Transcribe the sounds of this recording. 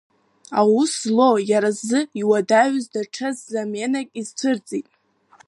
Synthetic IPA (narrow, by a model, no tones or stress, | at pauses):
awuslo̞jaɾazɨiwadaɥzdaʈ͡ʂʰazːamenakʲʼizt͡sʷʰɨrd͡zʼitʼ